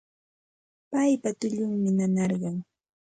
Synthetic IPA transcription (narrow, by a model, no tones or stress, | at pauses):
pajpat̪ʊʎʊŋmɪnanɑɾɢɑŋ